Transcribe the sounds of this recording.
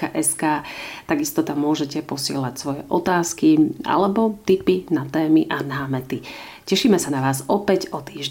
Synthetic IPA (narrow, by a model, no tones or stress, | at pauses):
kaʔɛskaːt̪aɡist̪ɔt̪amːʊɔʒɛcɛpɔsɪɛ̰lacsʋɔjɛ̰ʔɔt̪aːskiʔa̰lɛbɔt̪ipinat̪ɛːmiʔanaːmɛt̪i | cɛʃiːmɛsanaʋaːzɔpɛɟɔt̪iːʒ